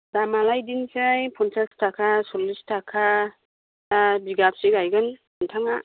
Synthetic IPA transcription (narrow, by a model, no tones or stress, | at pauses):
damalajdinsɯjpʰɔnsastʰakʰasɔlistʰakʰa | abiɡap̚siɡajɡɯn | antʰaŋa